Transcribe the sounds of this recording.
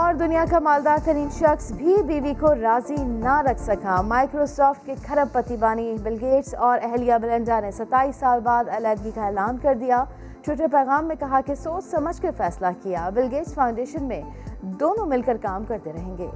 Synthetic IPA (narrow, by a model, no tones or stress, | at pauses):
ɔːɾd̪ʊnijakamaːld̪aːɾt̪ɐɾiːnʃɐxsbʱibiːʋikoɾaːzinaɾɐkʰsɐkamaːɪkɾosɔːfʈ̚kexʰɐɾəb̚pːɐt̪ibaːnibɪlɡeːʈsɔːɾɛɦlijabɪlə̃ɳɖanesɐt̪aːiːsːaːlbaːd̪ɛlɛːɖɡikaɛːlaːnkɐɾd̪ijaː | ʈwɪʈ̬əɾpɛːɣaːmːẽkɐɦakesoːt͡ʃʰsɐməd͡ʒʱkefɛːslakijaːbɪlɡeːt͡ʃfãːʊ̃ɳɖeːʃənmẽ | d̪oːnõmɪlkəɾkaːmkɐɾt̪eɾɐɦẽːŋɡḛː